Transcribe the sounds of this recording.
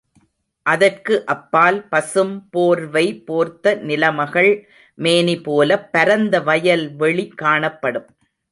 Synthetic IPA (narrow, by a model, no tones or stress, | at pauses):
ʔɐðɐrkɯʔɐpːaːlpɐsɯmpoːɾʋɐɪpoːɾt̪ːɐnɪlɐmɐɣɐɭ | meːnipoːlɐpːɐɾɐnd̪ɐʋɐjɐlʋɛɭikːaːɳɐpːɐɽɯm